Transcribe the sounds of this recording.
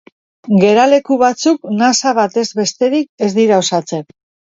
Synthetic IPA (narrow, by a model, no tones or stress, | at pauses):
ɡe̞ɾale̞kuβat͡suknasaβat̪e̞zβe̞st̪e̞ɾike̞zd̪iɾao̞sat͡se̞k